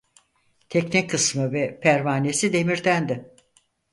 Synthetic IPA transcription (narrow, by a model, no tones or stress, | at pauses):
t̪ʰɛcnikʰːɯsmɯvɛpʰæɾvaːne̞sid̪e̞miɾd̪ænd̪ɪ